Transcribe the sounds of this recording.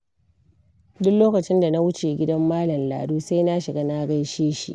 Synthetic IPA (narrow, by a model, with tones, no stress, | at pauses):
dʊ˦kloː˦kɐ˨t͡ʃɪ˦nda˨na˦wʊ˦t͡ʃe˨ɡʲɪ˦dɐ˦mːaː˦lɐ˨mla̰ː˨duː˦sa˦jna˦ʃɪ˨ɡa˦na˦ɡɐ˦jʃeː˦ʃḭ˦ʔ